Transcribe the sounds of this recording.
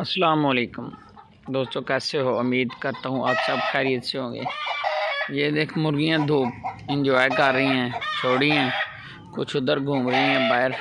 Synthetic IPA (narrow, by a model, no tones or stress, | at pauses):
ɐsəlaːmoːleːkʊm | d̪oːst̪õːkɛːseɦoːʊmiːd̪kəɾt̪aɦũʔaːpsɐbxɛːɾiːət̪seɦõːɡḛː | jeːd̪eːkʰmʊɾɡijãd̪ʱuːpɪ̃ɲd͡ʒɔːjkəɾːəɦĩɦɛ̃ːʃoːɽiɛ̃ː | kʊt͡ʃʰʊd̪əɾɡʱũːmɾəɦĩɦɛ̃ːbaːɦɪɾ